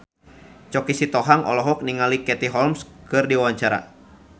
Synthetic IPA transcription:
t͡ʃɔkisit̪ɔɦaŋɔ̰lɔɦɔk̚niŋalikɛt̪iɦɔlmskɨrdiwawaɲt͡ʃaɾa̰

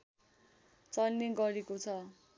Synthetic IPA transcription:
t͡sʌlneɡʌɾekot͡sʰʌ

